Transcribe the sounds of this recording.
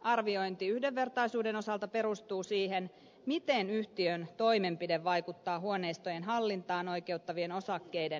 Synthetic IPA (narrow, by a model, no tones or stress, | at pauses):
ɑrʋio̞jnt̪iyhdeʋːe̞rt̪ɑjsuːde̞no̞sɑlt̪ɑpe̞ɾust̪uːsiːɦen | mit̪enyht̪iønt̪o̞jme̞mpideʋːɑjkut̪ːɑːɦuone̞jst̪o̞jenɦɑlːint̪ɑːno̞jke̞wt̪ːɑʋieno̞sɑkːejden